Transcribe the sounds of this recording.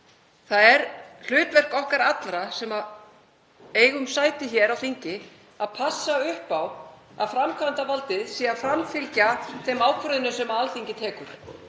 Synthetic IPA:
θaðɛɾl̥ʏːt̪vɛr̥kɔhkaɾat̪lɾasɛma | eːjɣʏmsaːjt̪ɪçɛːɾawθiɲcɪ | aðpʰasːaʏhpaw | a̰ðfɾamkʰvant̪avalt̪ɪðsiːafɾamfɪlcaθejmaːwkʰʏðɪnʏsɛmaalθiɲcɪt̪ʰɛːkʏɾ̥

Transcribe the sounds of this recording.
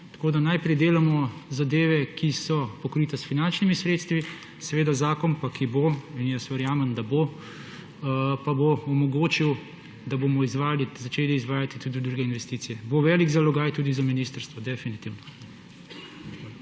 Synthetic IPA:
t̪ḁkoːd̪anajpɾɛjd̪eːlamɔzad̪eːʋɛkʰisɔpɔkɾiːt̪ɛsfinant͡ʃnimisɾeːt̪st̪ʋi | sɛʋeːd̪azaːkɔnpakʰiboinjɛsʋəɾjaːmənd̪abo | paboɔmɔɡoːt͡ʃiw | d̪abomɔizʋaːlizat͡ʃeːliːzʋaːjat̪it̪uːd̪id̪ɾuɡɛinʋɛst̪iːt̪sijɛboʋɛliɡzalɔɡajt̪uːd̪izaminist̪əɾst̪ʋɔd̪ɛfinit̪iwnɔ

